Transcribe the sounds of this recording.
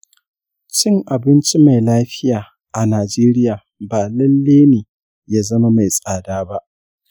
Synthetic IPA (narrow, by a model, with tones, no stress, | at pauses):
t͡ʃɪ˦ŋʔa˨bɪ˦nt͡ʃi˦ma˨jlaː˦ɸɪ˦jaː˨ | ʔa˨naː˨d͡ʒeː˦ɾɪ˦jaː˨ | baː˨lɐ˦lːeː˦neː˨ | jaː˦zɐ˦ma˦ma˨jsʼaː˨daː˦ba˦ʔ